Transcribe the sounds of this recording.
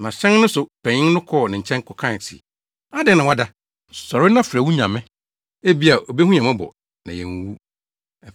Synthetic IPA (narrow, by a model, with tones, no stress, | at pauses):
nã˨ɕɛ̃˦nnʊ̃˦sʊ˨pʰɛ̃˨ɲɪ̃˦n˦nʊ̃˦kʰɔ˦˨nɪ̃˨ɲ̩˨t͡ɕʰɛ̃˦ŋ˦kʰɔ˨kʰã˦˨sḭ˨ | a˦dɪ˦nã˨wa˦da˦ | sɔ˨ɾɪ˦nã˦fɾæ˨wu˦ɲã˨mɪ̃˦ | e˦bi˦a˨ʔo˨be˦hũ˦ɲã˨mã˦bɔ̰˨ | nã̰˨jɛ̰˨ŋ˦wu˦˨